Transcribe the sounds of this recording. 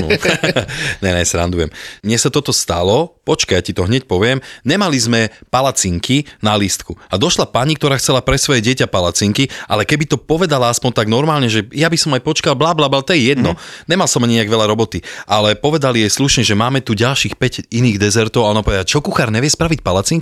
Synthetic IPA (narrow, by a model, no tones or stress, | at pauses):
ɲɛnɛ̰sɾa̰nd̪ujɛ̰mɲɪɛsat̪ɔt̪ɔst̪a̰lɔpɔt͡ʃkajacit̪ɔɦɲɛc̚pɔʋɪɛmɲɛmalizmɛpalat͡siŋkinalist̪kuad̪ɔʃlapaɲikt̪ɔɾaːxt͡sɛlapɾɛsʋɔjɛɟɪɛcapalat͡siŋkiʔa̰lɛkɛbit̪ɔpɔʋɛd̪alaaspɔnt̪aɡnɔɾmaːlɲɛʒɛjabisɔmajpɔt͡ʃkalblaːblaːblaːt̪ɔjɛjɛd̪nɔɲɛmalsɔmaɲɲɛaɡʋɛʎaɾɔbɔt̪iʔalɛpɔʋɛd̪alijɛsluʃɲɛʒɛmaːmɛt̪uɟalʃiːxpɛɟiniːɣd̪ɛzɛɾt̪ɔaɔnampɔʋɛd̪at͡ʃɔkuxaɾɲɛʋɪɛspɾaʋic̚palat͡siŋk